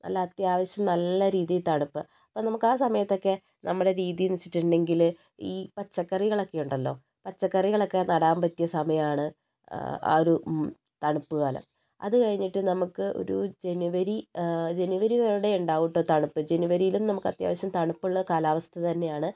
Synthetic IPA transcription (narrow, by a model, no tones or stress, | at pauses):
ʔɐ̰lːɐːt̪jaːʋɐɕjɐmnɐlːɐɾiːðijlt̪ɐɳupːɨ | ɐpːo̞ːnɐmukːaːsɐmɐjɐt̪ːo̞kːe̞ | nɐmːuɽe̞ɾiːðijilnit͡ɕːi̥ʈːuɳɖe̞ŋɡil | iːpɐt͡ɕːɐkːɐriɣɐɭokːe̞juɳɖɐlːo̞ː | pɐt͡ɕːɐkːɐriɣɐɭo̞kːe̞nɐɽaːmbɐt̪ːijɐsɐmɐjɐmaːɳɨ | a̰ːoɾu | t̪ɐɳupːuɣaːlɐ̰m | ɐ̰ðɨkɐɻiɲːiʈːɨnɐmukːɨʔo̰ɾṵd͡ʑe̞nuʋɐɾid͡ʑe̞nuʋɐɾiʋɐɾuɽe̞uɳɖaːʋuʈːoɾt̪ɐɳupːɨd͡ʑe̞nuʋɐɾijilumnɐmukːɐt̪ja̰ːʋɐɕɐmt̪ɐɳupːuɭːɐkaːlaːʋɐst̪ʰɐt̪ɐnːe̞jaːɳɨ